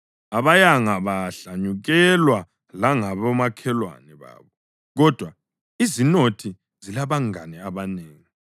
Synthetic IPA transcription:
aβajaŋaβaɬaɲuɣɛlwa | laŋaβamakʰɛlwa̰nɛβa̰ːβɔ | ɣɔd̥ʱwa | izinotʰi | zilaβaŋa̰nɛaβaneːŋi

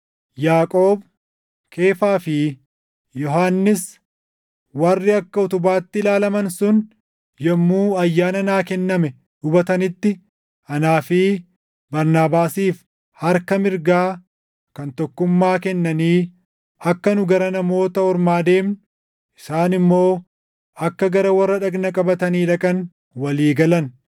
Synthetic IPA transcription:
jaːkʼo̞ːb | kʰe̞ːfaːfɪ | jɔɦaːnːɪs | wɐrːɪɐkːɐʊt̪ʊbaːt̪ːɪlaːlɐmɐnsʊn | jɛmːuːɐjːaːnɐnaːkɛnːɐmɛ | ʔʊbɐt̪ɐnɪt̪ːɪ | ɐnaːfiː | bɐɾnaːbaːsiːf | hɐɾkɐmɪɾɡaː | kɐnt̪ɔkːʊmːaːkɛnːɐniː | ɐkːɐnʊɡɐɾɐnɐmo̞ːt̪ɐhɔɾmaːd̪e̞ːmn | ʔɪ̥saːnɪmːo̞ː | ɐkːɐɡɐɾɐwɐrːɐᶑɐɡnɐkʼɐbɐt̪ɐniːᶑɐkʼɐn | wɐliːɡɐlɐn

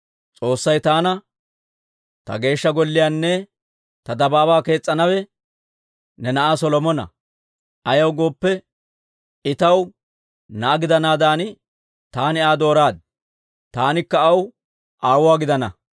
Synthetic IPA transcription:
t͡sʼo̞ːsːɐjt̪aːnɐ | t̪ɐ̰ɡe̞ːʃːɐɡɔlːɪjaːnːɛ | t̪ɐd̪ɐbaːbaːke̞ːt͡sʼːɐnɐwɛ | nɛnɐʔaːsɔlɔmɔnɐ̰ | ʔɐjɐwɡo̞ːpːɛ | ɪt̪ɐw | nɐʔːɡɪd̪ɐnaːd̪aːnɪ | t̪aːnɪaːd̪o̞ːɾaːd̪̚ | t̪aːnɪkːɐːw | ʔaːwʊwaːɡɪd̪ɐnɐ

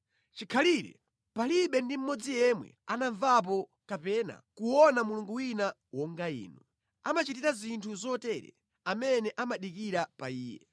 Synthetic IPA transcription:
t͡ʃikʰaliɾɛ̰ | paliɓɛndim̩mɔd͡zijɛmwɛ̰anaɱvap̬ɔ | kapɛna̰kuwɔnamuluŋɡuwina | wɔŋɡaḭːnu | amat͡ʃitiɾazintʰuzɔtɛɾɛ̰ | amɛnɛʔamaɗikiɾapaiːjɛ̰

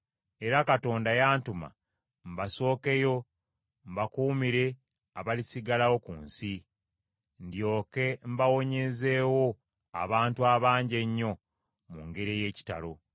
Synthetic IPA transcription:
e̞ɾakato̞ːndajaːntuma̰ | m̩baso̞ːke̞jo̞ | mbakuːmiɾe̞ | aβalisiɡalawo̞kunsi | ndjo̞ːke̞mbawo̞ɲe̞ze̞ːwo̞ | a̰βaːntuaβaːɲɟe̞ɲːo̞ | muŋɡe̞ɾeje̞ːci̥ta̰lo̞

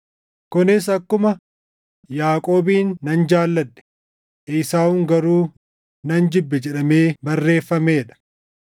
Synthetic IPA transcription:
kʊnɪs̬ɐkːʊmɐ | jaːkʼo̞ːbiːnːɐnd͡ʒaːlːɐᶑːɛ̥ | ʔɪːsaːʊŋɡɐɾuː | nɐnd͡ʒɪbːɛd͡ʒɛᶑɐme̞ːbɐrːe̞ːfːɐmeːᶑɐ̥

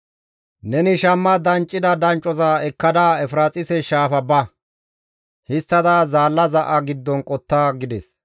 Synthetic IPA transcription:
nɛnɪʃɐmːɐd̪ɐnt͡ʃʼːɪd̪ɐd̪ɐnt͡ʃʼːɔzɐɛkːɐd̪aɛfɾaːt͡sʼɪsɛʃaːfɐbɐ | hɪst̪ːɐd̪azaːlːɐzɐʔɐɡɪd̪ːɔnkʼɔt̪ːaːɡɪd̪ɛs

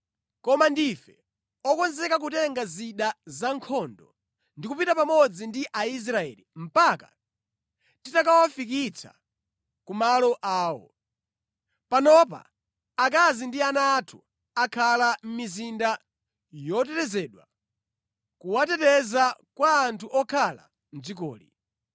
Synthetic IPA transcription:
kɔmandifɛ | ɔkɔnzɛkak̬utɛŋɡaziɗazaŋkʰɔndɔ | ndikupitapamɔd͡zindiʔais̬ɾaɛ̰lḭm̩paka̰ | titakawafikit͡sʰa̰ | kumalɔʔaːwɔ̰ | panɔpa̰ | ak̬azindianaːtʰu | akʰalam̩mizinda | jɔtɛtɛzɛɗwa̰ | kuwatɛtɛzakwaːntʰuʔɔkʰala̰ | n̩zik̬ɔ̰ːlḭ

